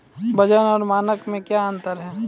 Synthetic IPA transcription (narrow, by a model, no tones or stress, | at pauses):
bʱɐd͡ʒənɔːɾmaːnəkmẽkjaə̃nt̪əɾɦɛː